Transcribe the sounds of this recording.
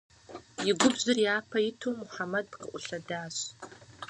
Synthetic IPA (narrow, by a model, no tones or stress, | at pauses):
jɪɡʷʊbzɨrjaːpʰɐjɪtʰowmʊħamɐd̚pqəʔʷʼʊɬɐdaːɕ